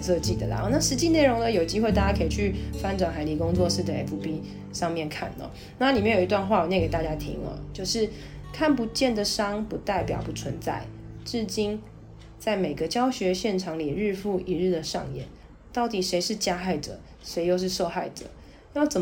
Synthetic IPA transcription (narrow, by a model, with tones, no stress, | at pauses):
ʂɤ˥˧t͡ɕi˥˩d̪ə˨˩la̰˨˦na˥˩ʂɻ̩˧˥t͡ɕi˥˧ne˥˩ɪɻo˧˥ŋd̪ə˧˨jo˨˩ʊt͡ɕi˥xwe˥˧ɪa˥˧˩t͡ɕa˥kʰə˧˥i˨˩t͡ɕʰy˥˩fa˥nʈ͡ʂwa˨˩nxa˧˥ɪli˧˥kʊ˥˦ŋt͡swɔ˥˧ʂɻ̩˥˩d̪ə˨˩ḛ˧˥pʰu˧˥pi˥ | ʂɑ˥˧ŋmjɛ˥˨nkʰa̰˥˩nə̰˨˦ | na˥˨li˨mjnjo˨˩˨i˧t̪wa˥˧nxwa˥˩wɔ˨˩ɲjɛ˥˧˩ke˨˩t̪a˥˧˩t͡ɕja˥t̪ʰḭ˧˥ŋə̰˨t͡ɕjo˥˧ʊʂɻ̩˥˩ | kʰa˥˩npu˧˦t͡ɕjɛ˥˩nd̪ə˨ʂɑ˥ŋpu˧˥t̪a˥˩ɪpjɑ̰˨˩ʊpu˧˦˥t͡sʰwə˧˦nt͡sa̰˥˩ɪʈ͡ʂ̩˥˩t͡ɕi˥n | t͡sa˥˩ɪme˨˩ɡə˦t͡ɕjɑ˥ʊɕɥɛ˧˥ɕjɛ˥˩nʈ͡ʂʰɑ˧˥ŋli˨˩ɻ̩˥˧fu˥˩ʔi˧˦ɻ̩˥˩d̪ə˩ʂɑ̰˥˧ŋjɛ̰˨˦n | t̪ɑ˥˩ʊt̪i˨˩ʂe˧˥ɪʂɻ̩˥˧t͡ɕja˥xa˥˩ɪʈ͡ʂɤ̰˨˩ | ʂe˧˥ɪjo˥˧ʊʂ̬ɻ̩˥˧ʂo˥˧ʊxa˥˩ɪʈ͡ʂə̰˨˩ | jɑ˥˩ʊt͡sə˨˩m